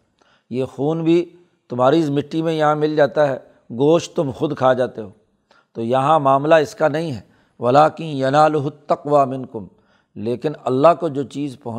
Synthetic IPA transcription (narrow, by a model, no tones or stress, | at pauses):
jeːxuːnbʱi | t̪ʊmɦaːɾiɪsmɪʈːimẽjɐɦãmɪld͡ʒaːt̪aɦɛː | ɡoːʃt̪ʊmxʊd̪kʰaːd͡ʒaːt̪eɦoː | t̪oːjɐɦãmaːmlaɪskanɐɦĩɦɛː | ʋɐlaːkɪ̃njɐnaːlʊɦʊt̪ːɐqʋaːmɪ̃nkʊm | leːkɪnɐ̰lːaɦkod͡ʒoːt͡ʃiːzpɐɦʊ̃